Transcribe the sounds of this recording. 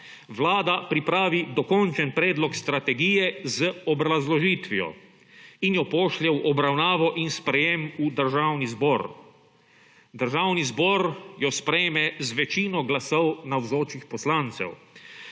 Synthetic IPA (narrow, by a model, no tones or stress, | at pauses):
ʋlaːd̪apɾipɾaːʋid̪ɔkɔnt͡ʃɛnpɾɛːd̪lɔkst̪ɾat̪ɛɡiːjɛzəɔbɾazlɔʒiːt̪ʋijɔ̰ | injɔpɔːʃlʲɛwʔɔbɾawnaːʋɔʔinspɾɛjemud̪əɾʒaːwnizbɔɾ | d̪əɾʒaːwnizbɔɾjɔspɾɛjmɛzʋɛt͡ʃiːnɔɡlasɔwnawzoːt͡ʃixpɔslaːnt̪sɛ̰w